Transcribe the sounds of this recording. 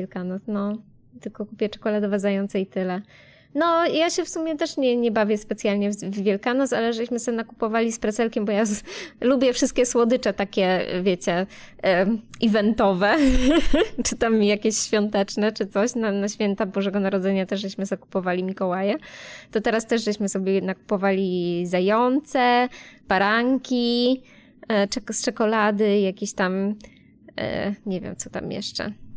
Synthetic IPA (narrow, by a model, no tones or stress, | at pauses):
ɛlkanɔsnɔ | t̪ɘlkɔkupʲjɛt͡ʂɛ̥kɔlad̪ɔvad̪zajɔnt̪sɛit̪ɘlɛ | nɔjaɕɛfsumʲjɛt̪ɛʂɲɛɲɛbavʲjɛspɛt̪sjalɲɛvːʲjɛlkanɔsalɛʐɕmɘsɛnaku̥pɔvalʲispɾɛt̪sɛlkʲɛmbɔjalubʲjɛfʂɘst̪kʲɛswɔd̪ɘt͡ʂɛt̪akʲɛ̰vʲjɛt͡ɕɛ | ivɛnt̪ɔvɛ | t͡ʂɘt̪amijakʲeɕɕfʲjɔnt̪ɛt͡ʂnɛt͡ʂɘt̪sɔɕnanaɕfʲjɛnt̪abuʐɛɡɔnaɾɔd̪zɛɲat̪ɛʐʐɛɕmɘzaku̥pɔvalʲimʲikɔwajɛt̪ɔt̪ɛɾast̪ɛʂʐɛɕmɘsɔbʲjɛnaku̥pɔvalʲizajɔnt̪sɛpaɾaŋkʲi | st͡ʂɛkɔlad̪ɘjakʲeɕt̪am | ɛ̰ɲɛvʲjɛ̰mt̪sɔt̪a̰mjɛ̰ʂt͡ʂɛ̰